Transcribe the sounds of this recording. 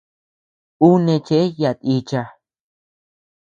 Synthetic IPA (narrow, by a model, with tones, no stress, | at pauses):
u˦nẽ˧t͡ʃe˧˦ja˧˨t̪i˧t͡ʃa˧